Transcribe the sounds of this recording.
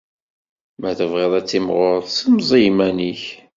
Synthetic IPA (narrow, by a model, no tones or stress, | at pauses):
mæθəvʁeðˤæt͡sːimʁʊɾðˤsəmzˤimæniç